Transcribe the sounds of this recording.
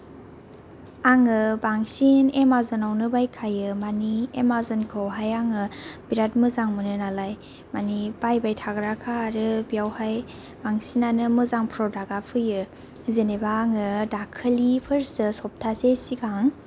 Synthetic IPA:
aŋɯbaŋsinemazɔnawnɯbajkʰajɯmaniemazɔnkʰɯwɦajaŋɯbiɾat̚mɯzaŋmɯnɯnalaj | manibajbajtʰaɡɾakʰaɾɯbijawhaj | b̥aŋsinanɯmɯzaŋpʰɾɔdaɡapʰɯjɯ | zenebaːŋɯdakʰɯlipʰɯɾsɯsɔp̚tʰasesiɡaŋ

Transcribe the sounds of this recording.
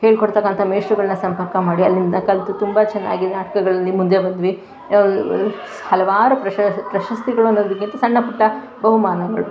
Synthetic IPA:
he̞ːɭikoɽt̪ɐkːɐnt̪ʰɐmeːʂɾuɡɐɭɐnːɐsɐmpɐɾkɐmaːɽiɐlːind̪ɐkɐlt̪ut̪umbɐt͡ʃɛnːa̰ːɡinaːʈɐ̥kɐɡɐɭɐlːimund̪ebɐnd̪ʋi | hɐlɐʋaːɾupɾɐɐpɾɐʃɐst̪iɡɐɭuɐnːoːd̪ɐk̬ːint̪ɐsɐɳːɐpuʈːɐ | bɐɦumaːnɐɡɐɭu

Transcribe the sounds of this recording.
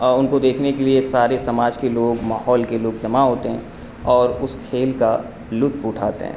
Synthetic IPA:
ʊnkod̪eːkʰnekeliesaːɾesɐmaːd͡ʒkeloːɡmaːɦɔːlkeloːɡd͡ʒɐmaɦoːt̪eɦɛ̰̃ | ɔːɾʊskʰeːlka | lʊt̪̚pʊːʈʰaːt̪ḛɦɛ̰̃ː

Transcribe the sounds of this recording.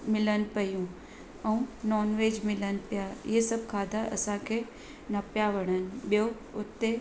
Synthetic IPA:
mɪlənɪ̆pɐjũ | ɛ̃ũnɔːnʋeːd͡ʑmɪlənɪ̆pijaɪ̰ɦesɐb̚ʱkʰaːd̪ʱaʔɐ̰sãkʰeː | nɐpjaʋɐɽ̃ənɪ̆ɓijo | ʊt̪ːe

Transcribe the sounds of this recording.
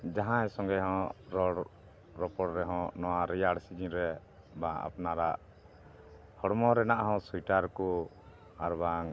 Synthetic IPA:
d͡ʒaɦãjɛsɔŋɡɛɦɔ̃ɾɔɽ | ɾɔpɔɽɾɛɦɔ̃nɔwaɾɛjaɽsid͡ʒiɾɛ | bãa̰pnaɾaʔ | hɔɽmɔɾɛnaʔɦɔ̃sujʈaɾku | aɾbaŋ

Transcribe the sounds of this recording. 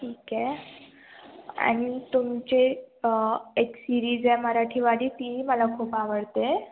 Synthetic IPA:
ʈʰiːke | a̰ɽ̃it̪umt͡ɕe | eksiɾiːd͡zɛməɾaʈʰiːʋaɽiːt̪iməlakʰuːpaʋəɽt̪e

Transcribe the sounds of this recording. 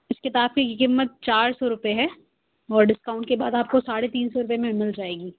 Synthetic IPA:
ɪskɪt̪aːb̚kikkɪmːət̪̚t͡ʃaːɾsɔɾʊpeɦɛ | ɔːɾɖɪskaːʊ̃ɳʈkebaːd̪aːp̚kosaːɽet̪iːnsɔɾʊpemẽmɪld͡ʒaːeːɡiː

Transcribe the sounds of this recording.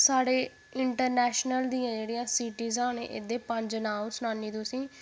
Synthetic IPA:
saːɽeː | ɪɳʈəɾnɛːʃnəld̪iːãːd͡ʒeːɽijãːsiːʈiːzãːnḛ̃ːʔɪd̪eːpə̃ɲd͡ʒnaːmsʊnaːniːt̪ʊsĩː

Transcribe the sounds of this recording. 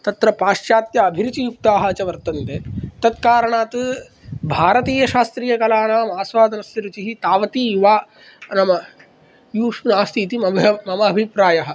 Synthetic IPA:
t̪ɐt̪ɾɐpaːʃjaːt̪jɐːbʱiɾut͡ʃijuk̚t̪aːɦɐɐt͡ʃɐʋɐɾt̪ɐnt̪eːt̪ɐt̪kaːɾɐɳaːt̪ | bʱaːɾɐt̪iːjɐʃaːst̪ɾiːjɐkɐlaːnaːmaːsʋaːd̪ʱɐnɐst̪ɐɾut͡ʃiɦit̪aːʋɐt̪iːiʋaː | nɐmɐ | juːʂunaːst̪ʰiːt̪imɐmɐmɐːbʱipɾaːjɐɦɐ̆

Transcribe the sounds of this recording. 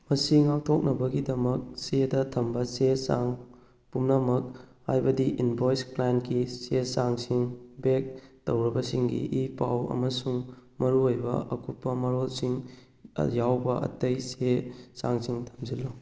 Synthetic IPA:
mɐsiŋak̚tʰok̚nɐbɐɡidɐmɐk̚sedɐtʰɐmbɐsesaŋ | pumnɐmɐk̚hajbɐdiʔinbojsplankisesaŋsiŋbek̚towɾɐbɐsiŋɡḭʔipa̰wɐ̰mɐsuŋmɐɾuojbɐ̰ɐkʰupːɐmɐɾolsiŋ̰ | jawbɐɐ̰tɐjsesaŋsiŋtʰɐmzilːo

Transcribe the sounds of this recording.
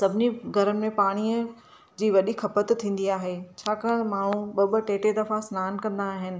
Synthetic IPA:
sɐbʱɪniɡʱɐɾəmːẽpaːɽ̃iə̃ | d͡ʑiːʋɐɗixʰɐpət̪t̪ʰːĩːn̆d̪iaːɦet͡ɕʰaːkaːɽ̃maːɳ̤ũɓɐɓə̆ʈeːʈed̪ɐfasnaːnkɐ̃nd̪aːɦɪnɪ̆

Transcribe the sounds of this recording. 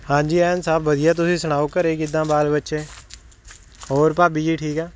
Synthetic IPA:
hãːd͡ʒiːɛːnsaːbbɐd̪ijat̪̬ʊsĩsɐɽ̃aːukəɾeːkɪd̪ːãbaːlbətːʃe | oːɾpaːbiːd͡ʒiʈʰiːkɛː

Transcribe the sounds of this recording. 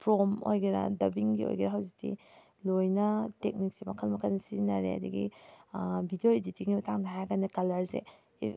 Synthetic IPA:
pɾomo̰jɡiɾa̰dɐbiŋɡio̰jɡiɾɐɦawzik̚tḭ | lojnɐtek̚nik̚simɐkʰɐlmɐkʰɐnsinaɾḛɐ̰diɡi | bʱidioiditiŋimɐtʰaŋdaɦajɡanekɐlɐɾzḛ | i

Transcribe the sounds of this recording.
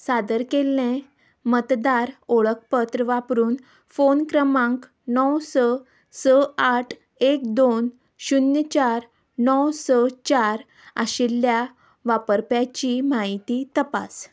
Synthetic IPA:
sad̪əɾkelːẽ | mət̪d̪aɾoɭək̚pət̪ɾəʋapɾuːn | fonkɾəmãŋk | nɔwsə | səaʈʰ | ek̚d̪on | ɕunjət͡ɕaɾ | nɔwsət͡ɕaɾ | a̰ɕelːja | ʋapəɾpjat͡ɕimaɦit̪it̪əpa̰s

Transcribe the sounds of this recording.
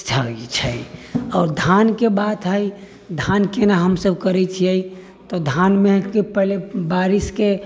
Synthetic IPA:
t͡ʃʰait͡ʃʰəiɔːɾd̪ʱankebat̪ɦəi | d̪ʱankenaɦəmsəbkəɾɛt͡ʃʰiəi | t̪od̪ʱanmẽkepɛɦlebaːɾɪske

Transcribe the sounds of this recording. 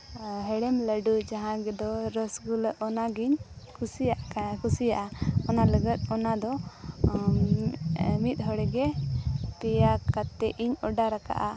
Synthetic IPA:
ɦɛɽɛmləɖud͡ʒaɦãɡɛd̪ɔɾɔsɡuləʔʔɔnaɡiɲkʰusijaʔkʰusijaʔaɔnaləɡət̪̚ɔnad̪ɔ | mit̪̚ˀɦɔɽɛɡɛpɛjakat̪ɛʔiɲɔɖaɾaka̰ʔa

